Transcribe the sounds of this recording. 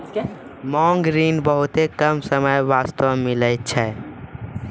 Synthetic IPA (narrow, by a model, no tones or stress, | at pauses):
mɔŋɡɾinbəɦut̪ekəmsəməjʋast̪əmilət̪̚t͡ʃʰɛ